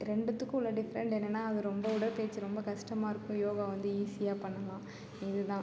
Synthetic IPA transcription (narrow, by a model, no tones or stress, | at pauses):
ɾɛɳɖɯt̪ːɯkːɯlːɐɖɪfɾɛɳɖeːnːɛnːaːɐðɯɾɔmbɐʊɽɐlpeːt͡ʃːɯɾɔmbɐkɐʂʈɐmaːɪɾɯkːʊ̃joːɣaʋɐnd̪ɯiːsɪjaːpɐɳːɐlãː | ɪðɯt̪ãː